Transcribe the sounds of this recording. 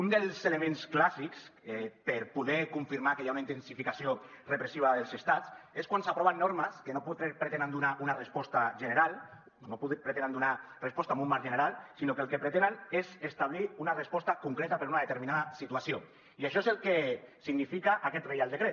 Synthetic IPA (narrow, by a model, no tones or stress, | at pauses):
und̪elˠzelemẽnsklasikspeɾpuðɛkuɱfiɾmakejaunaint̪ensifikasio | repɾesiβaðelˠzest̪at͡seskwansapɾɔβanːoɾmaskenoput̪eɾpɾet̪enand̪unaʔunarespɔst̪aʒeneɾalˠ | nopuðpɾet̪enand̪unarespɔst̪amũlmaɾʒeneɾalˠsinokelˠkepɾet̪enanezest̪aβliunarespɔst̪akuŋkɾet̪apeɾunaðet̪eɾminaðasit̪uasio | iaʃ̬ɔezelkesiɡnifikaʔakɛt̪rejalˠd̪ekɾe